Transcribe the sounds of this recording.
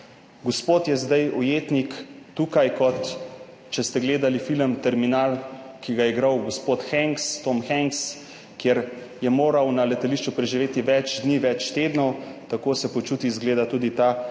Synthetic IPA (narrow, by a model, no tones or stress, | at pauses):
ɡospoːt̪jɛzd̪ajɔjeːt̪nikt̪uːkajkɔt̪ | t͡ʃɛst̪ɛɡleːd̪alifiləmt̪ɛɾminaːlkiɡajɛiɡɾawɡospoːt̪xɛŋkst̪omxɛŋks | kjeɾ | jɛmoːɾawnalɛt̪aliʃt͡ʃupɾɛʒiʋeːt̪iʋɛt͡ʃd̪niːʋɛt͡ʃt̪eːd̪nɔwt̪akoːsɛpɔt͡ʃuːt̪izɡleːd̪at̪ud̪it̪a